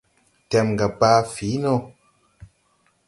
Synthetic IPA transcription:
tɛ˨mɡa˨pa˦fi˨˦no˦

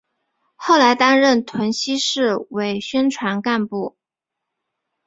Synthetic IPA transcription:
xo˥˩ʊla˧˥ɪt̪a˥nɻə˥˩nt̪ʰwə˧˥nɕi˥ʂɻ̩˥˩we˧˥ɪɕɥɛ˥nʈ͡ʂʰwa˧˥nka˥˧npu˥˩

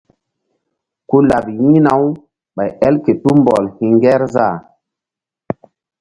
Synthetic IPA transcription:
ku˦la˨bjĩ˦na˨˦w | ɓa˨jɛ˦lke˨tu˦mbɔ̰˨lhĩ˨ŋɡɛ˦ɾza˦˨

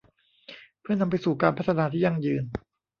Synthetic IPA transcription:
pʰɯ˥˩ɐna˧mp̬a˧jsuː˨˩kaː˧npʰa˥t̪ːʰa˧naː˧t̪ʰiː˥˩ja˧ŋjɯː˧n

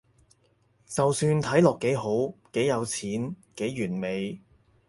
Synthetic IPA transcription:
t͡sɐ˨wsyː˧nt̪ʰɐ˨˥jlɔː˨kːe˨˥jɦo˨˥wke˨˥jɐ˨˧wt͡sʰiː˨˥nke˨˥jːyː˨˩nme˨˧j

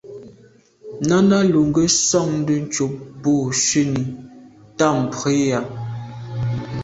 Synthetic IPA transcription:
na˦na˦lu˨ŋɡə˦sɔ˦˨ŋn̩˦də˦n̩˦t͡ʃo˨p̚bo˦˨ʃe˦˨ni˨ | ta˦˨m̩˨pwe˨˦ja˨

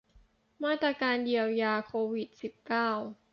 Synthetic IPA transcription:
maː˥˩t̪ɾaː˧kaː˧ndi˧əwjaː˧kʰoː˧wi˨˩t̪̚si˨˩p̚kaː˥˩w

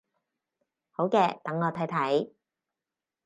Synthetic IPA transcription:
ho˨˥wkɛː˧t̪ɐ˨˥ŋɔː˧t̪ʰɐ˨˥jt̪ʰɐ˨˥j

